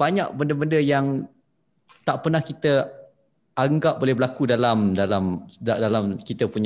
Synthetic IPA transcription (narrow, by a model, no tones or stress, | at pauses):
b̥aɲaʔbəndəbəndəjaŋ | t̪aʔpərnahkit̪ə | aŋɡap̚bolɛhbəlakudalamdalamdalamkit̪əpuɲ